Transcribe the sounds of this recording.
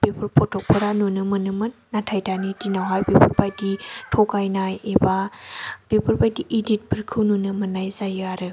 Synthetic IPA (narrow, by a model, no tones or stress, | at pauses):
b̥epʰɯɾpʰɔtʰɔk̚pʰɯɾanunɯmɯnɯmɯnːatʰajdanidinawɦajbepʰɯɾbajditʰokajnajebab̥epʰɯɾbajdiʔidit̚bɯɾkʰɯwnunɯmɯnːajzajɯaɾɯ